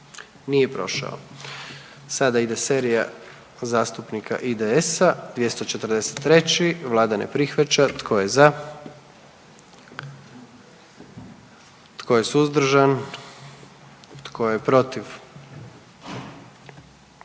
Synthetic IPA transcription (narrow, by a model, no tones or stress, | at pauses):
nije̞pɾo̞̰ʃa̰o̰ | sad̪aid̪eseɾija̰ | zaːst̪upnikʰa̰ʔid̪eesad̪̥ʋje̞st̪ot͡ʃet̪r̩d̪e̞se̥t̪ːɾe̞t͡ɕiʋlˠaːd̪anḛpɾixʋat͡ɕat̪kʰo̞je̞za | t̪kʰo̞je̞suzd̪ɾ̩ʒan | t̪kʰo̞jepɾo̞t̪iʋ